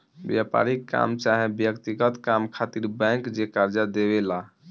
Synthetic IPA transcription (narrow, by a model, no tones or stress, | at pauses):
bjapa̰ɾikːa̰mt͡ʃaɦebjəkt̪iɡət̪kamkʰat̪iɾbɛ̃ŋkd͡ʒekaɾd͡ʒad̪eβela